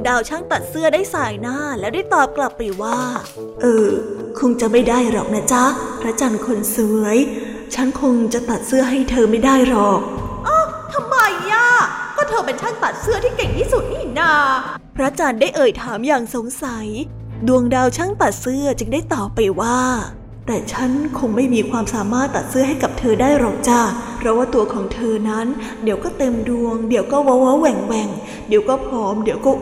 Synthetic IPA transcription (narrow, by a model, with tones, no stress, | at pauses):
ŋdaː˧wt͡ɕʰa˦˥˩ŋt̪a˨˩t̪̚sɯ˥˩ədaː˥˩jsaː˧jnaː˥˩lɛː˦˥wdaː˥˩jt̪ɔː˨˩p̚kla˨˩pːa˧jwaː˥˩ | ʔɤː˧kʰo˧ŋt͡ɕa˨˩ma˥˩jdaː˥˩jɾɔ˨˩k̚na˦˥t͡ɕa˦˥pʰɾa˦˥t͡ɕaː˧nkʰo˧nsɯ˧wɯ˩˦əj | t͡ɕʰa˦˥nkʰo˧ŋt͡ɕa˨˩t̪a˨˩t̪̚sɯ˥˩ɐɦa˥˩jt̪ʰɤː˧ma˥˩jdaː˥˩jɾɔː˨˩k̚ʔɔ˧˥˩t̪ʰa˧mːa˧jːa˧˩kɔː˥˩t̪ʰɤː˧pe˧nt͡ɕʰa˦˥˩ŋt̪a˨˩t̪̚sɯ˥˩ɐt̪ʰiː˥˩ke˨˩ŋt̪ʰiː˥˩su˨˩t̪̚niː˥˩na˧˩ | pʰɾa˦˥t͡ɕaː˧ndaː˥˩jʔɤː˨˩jt̪ʰaː˩˦mjaː˨˩ŋso˨˩˦ŋsa˩˦j | du˧əŋdaː˧wt͡ɕʰa˥˩ŋt̪a˨˩t̪̚sɯ˥˩ɐt͡ɕɯ˧ŋdaː˥˩jt̪ɔː˨˩pːa˧jwaː˥˩ | t̪ɛː˨˩t͡ɕʰa˦˥nkʰo˧ŋma˥˩jmiː˧kʰwaː˧msaː˩˦maː˥˩t̪ːa˨˩t̪̚sɯ˥˩ɐɦa˥˩jka˨˩p̚t̪ʰɤː˧daː˥˩jɾɔː˧˩ŋt͡ɕaː˧˩pʰɾɔ˦˥waː˥˩t̪u˧ɐkʰɔː˩˦ŋt̪ʰɤː˧na˦˥n | di˨˦əwkɔː˥˩t̪e˧mdu˧əŋdi˩˦əwkɔː˥˩wa˦˧˥wa˦˥wɛ˨˩ŋwɛ˨˩ŋ | diː˨˩˦əwkɔː˥˩pʰɾɔː˦˥mdi˨˩˦əwkɔː˥˩